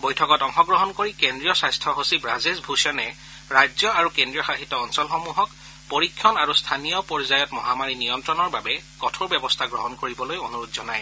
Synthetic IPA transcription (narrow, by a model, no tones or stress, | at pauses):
bojtʰɔkɔtɔŋxɔɡɹɔɦɔnkoɹikendɹijɔsajstʰɔɦosibɹazisbʱusɔnɛ | ɹajzjɔaɹukendɹijɔxaɦitːɔɔnsɔlxomuɦɔk | poɹikʰːjɔnaɹustʰanijɔpɔɹzajɔtmɔɦamaɹinijɔntɹɔnɔɹbabɛkɔtʰoɹbjɛbɔstʰaɡɹɔɦɔnkoɹibɔlojonuɹutzɔnaj